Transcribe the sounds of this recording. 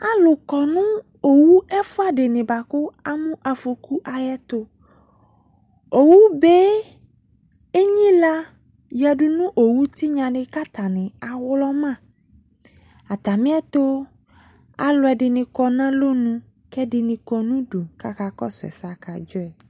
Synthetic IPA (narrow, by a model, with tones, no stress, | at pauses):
a˦lʊ˨kɔ˨nũ˦o˨wu˦ɛ˦fʊ˦a˨ɖɪ˨nɪ̃˨ba˨kʊ˦a˦mũ˦ʔa˨fo˨ku˦ʔa˨jɛ˦t̪ʊ˦ | o˨wu˦be˦ | e˦ɲĩ˦la˦ | ja˨ɖu˦nũ˦ʔo˨wu˦t̪i˦ɲã˨ɖɪ˦ka˦t̪a˨nɪ̃˨a˨wlɔ˦mã˦˨ | a˨t̪a˨mĩ˦ɛ˦t̪o˦ | a̰˨lʊ˨˦ɛ˨ɖɪ˨nɪ̃˨kɔ˨nã˦lo˦nũ˦ | kɛ˦ɖɪ˨nɪ̃˨kɔ˨nũ˦ɖo˨ka˦ka˨kɔ̰˦sɛ̰˨sa˨ka˨d͡ʒɔ˦ɛ˨